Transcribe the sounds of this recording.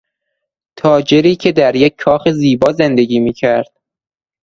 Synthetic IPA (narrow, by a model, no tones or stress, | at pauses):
t̪ʰɒːd͡ʒeɾiːcʰe̞d̪æɾjecʰːɒːxeziːbɒːzend̪e̞ɡiːmiːcʰæɾd̪̥̚